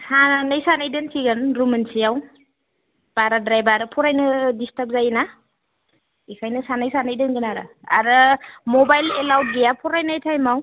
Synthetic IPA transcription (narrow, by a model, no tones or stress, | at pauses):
sanajsanajdɯnsiɡɯnɾumɯnsijaw | b̥aɾadɾajbaɾɯpʰɔɾajnɯdistəp̚zajna | ikʰajnɯsanajsanajdɯnɡɯnaɾa̰ | a̰ɾɯmɔbajlelawt̚ɡijapʰɔɾajnajtʰajmaw